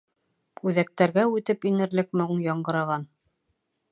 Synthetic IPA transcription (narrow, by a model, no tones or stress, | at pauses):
ʉðæk̚t̪æɾɡæʉt̪ɘpinɘ̆ɾlɘkmoɴjɑɴɢɤ̆ɾɑʁɑn